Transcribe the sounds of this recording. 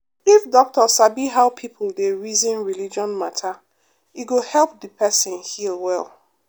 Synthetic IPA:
ifdɔk̚tɔsabiɦaʊpʰipʰʊldeɹizĩnɹilid͡ʒɔ̃nmatʰa | iɡohɛlˠp̚dɨpʰɛsɪ̃nhilwɛ̰lˠ

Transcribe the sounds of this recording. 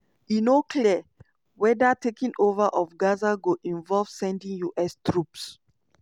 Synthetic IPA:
jinokʰli | wɛdatekĩŋovaʔɔfɡazaɡoʔĩnvɔlv̥sɛ̃ndĩŋjuʔɛstɹups

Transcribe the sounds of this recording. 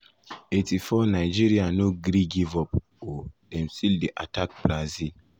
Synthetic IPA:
etifɔnajd͡ʒiɾianoɡɾiɡivɔp | odɛ̃msildiʔatʰak̚b̥ɾazil

